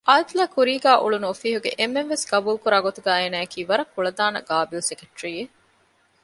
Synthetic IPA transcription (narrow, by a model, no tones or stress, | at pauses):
ʔaːt̪læːkuɾiːɡæːʔṵɭunuofiːɦuɡḛʔemːenʋesɡ̥ɐbuːlkuɾaːɡot̪uɡæːeːnæːɐkiːʋɐɾɐkːuɭɐd̪aːnɐ̰ɡaːbilsekeʈɾiːe